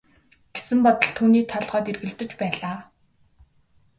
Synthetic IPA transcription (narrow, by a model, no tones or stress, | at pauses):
ɡ̥esɘ̆mpɔt̪ə̆ɮt̪ʰuːniːk̚t̪ʰɔɮʁœːt̪erɣɘ̆ɮt̪ɘ̆t͡ɕpæːɮaː